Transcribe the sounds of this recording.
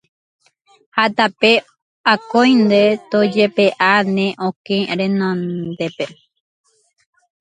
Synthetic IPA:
hat̪ape̞ | akõjnd̪e̞t̪od͡ʒepe̞ʔanẽʔõkẽɾẽnõnd̪e̞pe

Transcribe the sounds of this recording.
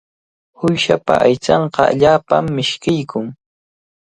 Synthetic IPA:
hʊjʃapa̰ʔajt͡sɑɴqɑa̰ʎaːpamːɪʃkɪjkʊŋ

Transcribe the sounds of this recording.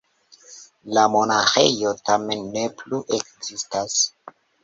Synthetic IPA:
lamo̞naxe̞̰jo̞tamenːepluʔekzistas

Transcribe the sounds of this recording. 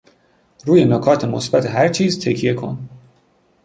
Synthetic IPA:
ruːje̞nokʰɒːt̪ʰemo̰sbæt̪ʰeɦæɾt͡ʃʰiːzt̪ʰecʰije̞kʰo̞̰n

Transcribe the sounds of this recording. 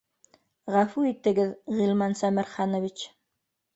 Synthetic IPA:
ʁæfuit̪ɘ̆ɡɘðʁilˠmɑnsæmɘɾχɑnŏvit͡ɕ

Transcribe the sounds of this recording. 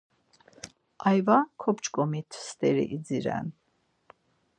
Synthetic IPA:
ajvakʰɔpt͡ʃkʼɔmit̪ʰst̪ʼɛɾḭʔid͡ziɾɛ̰n

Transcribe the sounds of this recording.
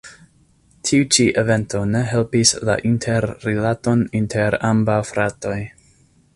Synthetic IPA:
tʰiut͡ʃiʔeve̞nto̞ne̞ɦe̞lpisla̰ʔintʰeɾːilato̞nintʰeɾambawfɾato̞j

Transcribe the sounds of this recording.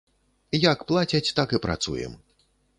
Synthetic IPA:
jakplˠat͡sʲɐt͡sʲt̪akɨpɾa̰t̪sṵjɛ̰m

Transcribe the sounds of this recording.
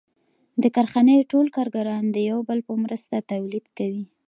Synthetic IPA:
d̪əkaɾxanəjʈolkɑɾɡaɾɑnd̪əjawbəlpəmɾəst̪at̪awlid̪kawi

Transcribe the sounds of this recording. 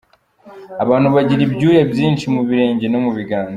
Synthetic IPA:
aβaːnhuβaɟiɾibɟuːjebjiːnʃimuβiɾe̞ːɲɟe̞no̞muβiɡaːn

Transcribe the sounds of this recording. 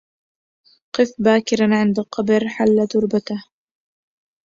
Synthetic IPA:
qɨfbaːkɪɾanʕɪnd̪aqɑbɾħalːad̪ʊɾbat̪ah

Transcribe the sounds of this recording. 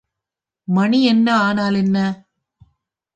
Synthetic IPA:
mɐɳiɛnːɐaːnaːlɛnːɐ

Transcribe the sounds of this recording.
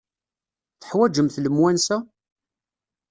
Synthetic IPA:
θə̥ħwæd͡ʒəmθləmwænsæ

